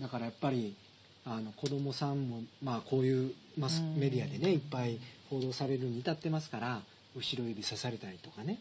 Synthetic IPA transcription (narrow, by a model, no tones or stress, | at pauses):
d̪akaɾajapːaɾʲi | ano̞ko̞d̪o̞mo̞sãmːo̞maːko̞ːjɯ̟ː | masme̞d̪ʲiad̪e̞ne̞ipːaiho̞ːd̪o̞ːsaɾe̞ɾɯ̟noɲ̟it̪at̪ːe̞masɨ̥kaɾa | ɯ̟ɕiɾo̞ibʲisasaɾe̞t̪aɾʲit̪o̞kane̞